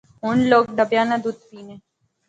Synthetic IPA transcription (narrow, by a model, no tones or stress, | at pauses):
ɦuɳloːk̚ɖ̪əbjanad̪ud̪piːne